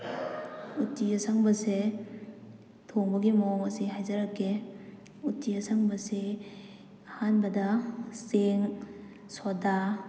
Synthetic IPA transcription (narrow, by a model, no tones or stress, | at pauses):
utːiɐsaŋbɐse | tʰoŋbɐɡimoŋɐsiɦajzɐɾakːe | utːiɐsaŋbɐse | ɐhanbɐdɐseŋ | soda